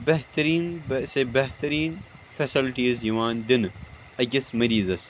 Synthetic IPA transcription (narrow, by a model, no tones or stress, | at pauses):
bɐɦt̪ɐɾiːnbsebɐɦt̪ɐɾiːnfɐsilʈiːzjiʋaːnd̪ɪn | ɐkɪsmɐɾiːzɐs